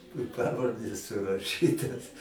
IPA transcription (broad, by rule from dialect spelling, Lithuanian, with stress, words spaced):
ɪ ˈpɑːʋɐrʲdʲeːs sʊrɐˈʃʲiːtɐs